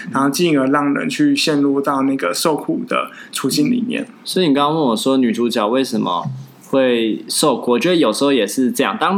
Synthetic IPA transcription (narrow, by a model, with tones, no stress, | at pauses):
na˧˦no˥˧ʊt͡ɕi˥˩ŋə˧˥lɑ˥˩ŋɻə̰˧˦nt͡ɕʰy˥˧ɕjɛ˥˧nlu˥˧t̪ɑ˥˧ʊna˥˩ɡə˩ʂo˥˧ʊkʰu˨˩d̪ə̰˨˩t͡sʰu˧˥t͡ɕi˥˩nlḭ˨˩mjɛ̰˥˩nswɔ˧˥˨ni˨˩kɑ˥wə˥˩nwɔ˨˩ʂwɔ˥ny˨˩ʈ͡ʂu˧˥t͡ɕjɑ˨˩ʊwe˥˩ɪʂə˨˩nmə̰˦ | xwe˥˩ɪʂo˥˩ʊkʰwɔ˧˥˩t͡ɕʰɛ˧˥˩jo˨˩ʂ̩˧˥xo˥˧ʊjɛ˨˩ʂɻ̩˥˧ʈ͡ʂɤ˥˧jɑ˥˨ŋt̪ɑ˥ŋ